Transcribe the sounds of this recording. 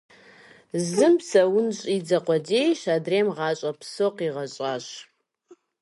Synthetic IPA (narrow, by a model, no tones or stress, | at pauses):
zɨmsɐwʊnɕʼid͡zɐqʷɔd͡ʒeːjɕaːdreːmʁɑːɕʼɐpsoqiːʁɐɕʼaːɕ